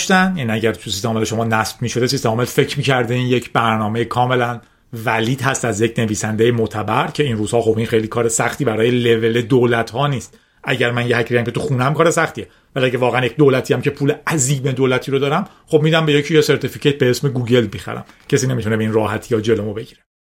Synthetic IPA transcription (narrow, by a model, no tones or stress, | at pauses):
ʃt̪ænjæniæɟæɾt̪ʰusist̪emːleʃo̞mɒːnæsb̥miːʃod̪e̞sist̪eɒːmelfe̞cʰɾmiːcʰæɾd̪einjecʰbæɾnɒːmejekʰɒːme̞læn | væliːd̪hæst̪æzjecʰne̞viːsænd̪ejemot̪ʰæbæɾcʰe̞inruːz̥hɒːxo̞binxejliːkʰɒːɾesæxt̪iːbæɾɒːjeleve̞le̞d̪oːlæt̪hɒːniːst̪̚ | ʔæɟæɾmænjehæcʰɾiːæmcʲe̞t̪ʰuxuːnææmkʰɒːɾesæxt̪ie | væliæɟevɒːɣeænjec̚ʲd̪oːlæt̪ʰiːæmce̞pʰuːleæziːme̞d̪oːlæt̪ʰiːɾod̪ɒːɾæm | χo̞b̚miːd̪æmbe̞jecʰijese̞ɾt̪ʰificʰet̪̚beesmeɡuːɟe̞lbixæ̰ɾæ̰m | cʰesiːne̞mit̪unebeiːnrɒːɦæt̪ʰijɒːd͡ʒe̞lomobe̞ɟiːɾe